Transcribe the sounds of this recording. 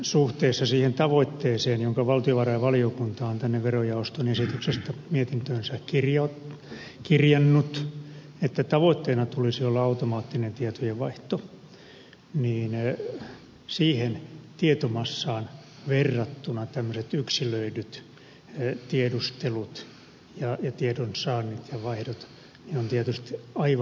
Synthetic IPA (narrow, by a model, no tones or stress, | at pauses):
suht̪eːsːɑsiːhent̪ɑʋoit̪ːeːseːnjoŋkɑʋɑlt̪ioʋɑrɑjɑʋɑliokunt̪ɑːnt̪ænːeʋʋerojɑost̪onesit̪yksest̪æmiet̪int̪øːnsækirjɑ | kirjɑnːut̪ | et̪ːæt̪ɑʋoit̪ːeːnɑt̪ulisiolːɑɑut̪omɑːt̪ːinent̪iet̪ojeʋɑiht̪o | niːn | siːhent̪iet̪omɑsːɑːn | ʋerːɑt̪ːunɑt̪æmːøset̪yksiløidyt̪ | t̪iedust̪elut̪ | jɑjɑt̪iedonsɑːnːit̪jɑʋɑihdot̪ | niont̪iet̪yst̪i̥ɑiʋ